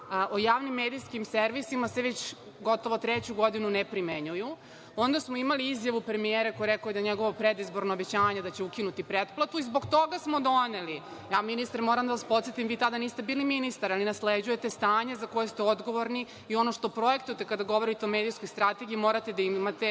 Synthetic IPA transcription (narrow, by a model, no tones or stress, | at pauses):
ʔojaːʋnimːeːd̪ijskimseɾʋisimaseʋet͡ɕ | ɡo̞t̪oʋot̪ɾet͡ɕuɡo̞d̪inunepɾimeɲuju | o̞nd̪asmoimaliizjaʋupɾemijeɾakojɾekojed̪aɲeɡo̞ʋopɾed̪izbo̞ɾnoobet͡ɕaːɲed̪at͡ɕe̞ukinut̪ipɾet̪plat̪uizbo̞ɡt̪o̞ɡasmo̞d̪o̞ne̞li | jaːminist̪aɾmoɾamd̪aʋaspo̞t̪sjet̪imʋiːt̪ad̪aniːst̪e̞biːliminist̪aɾalinasled͡ʑujet̪est̪aːɲe̞zakojest̪eo̞d̪ɡo̞ʋo̞ɾni | io̞no̞ʃt̪o̞pɾo̞e̞kt̪ujet̪ekad̪aɡo̞ʋo̞ɾit̪eo̞me̞ːd̪ijsko̞jst̪ɾat̪e̞ɡiimoːɾat̪e̞d̪aimat̪e